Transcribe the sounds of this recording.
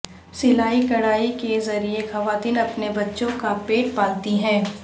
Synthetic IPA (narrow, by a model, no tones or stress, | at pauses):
sɪlaːikɐɽaːikezɐɾiexɐʋaːt̪iːnɐpnebɐtːʃõkapeːʈ̚paːt̪iɦɛ̃ː